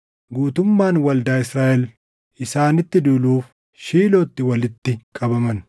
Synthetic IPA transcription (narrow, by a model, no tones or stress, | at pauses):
ɡuːt̪ʊmːaːnwɐld̪aːɪsɾaːʔɛl | ʔɪsaːnɪt̪ːɪd̪uːluːf | ʃiːloːt̪ːɪwɐlɪt̪ːɪkʼɐbɐmɐn